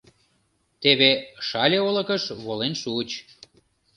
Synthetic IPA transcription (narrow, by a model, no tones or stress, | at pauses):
t̪eβeʃɑlʲeolə̆kəʃβolenʃut͡ɕ